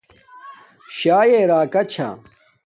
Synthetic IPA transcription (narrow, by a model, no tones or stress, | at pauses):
ɕaːjeɾaːkɐt͡ɕʰa̰